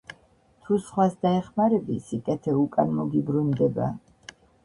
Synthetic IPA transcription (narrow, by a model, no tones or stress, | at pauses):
t̪ʰusχwasd̪aɛχmaɾɛbisikʼɛt̪ʰɛukʼanmɔɡibɾund̪ɛba̰